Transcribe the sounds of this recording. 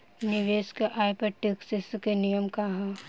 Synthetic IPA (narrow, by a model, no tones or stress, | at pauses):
niʋeːskeʔaːjpɐʈiksiskenijəmkaɦã